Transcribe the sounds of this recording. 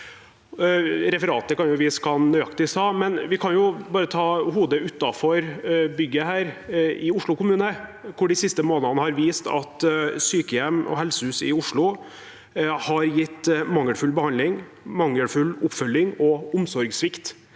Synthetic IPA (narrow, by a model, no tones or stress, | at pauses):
ɾɛfəɾɑːt̪əkɑnjʊʋɪskʰɑnnœʏɑkt̪ɪsɑːmɛnʋɪkʰɑnjʊbɑːɾət̪ʰɑːhuːd̪əʉt̪ːɑfɔɾbʏɡːəhæːɾʔɪʊʂɭʊkʊmʉːnəkʰʊɖɪsɪst̪əmoːnənəhɑɾʋiːst̪ɑ̰t̪syːkəjɛmʔɔ̰ɦɛlsəhʉːsɪʊʂɭʊ | hɑɾjɪt̪ːmɑŋːəlfʉlbəhɑnd̪lɪŋ | mɑŋːəlfʉlʊpfœlːɪŋɔʊmsɔɾɡsʋɪkt̪